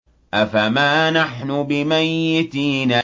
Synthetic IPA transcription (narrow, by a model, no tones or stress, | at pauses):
ʔafamaːnaħnʊbɪmajːɪt̪iːnaː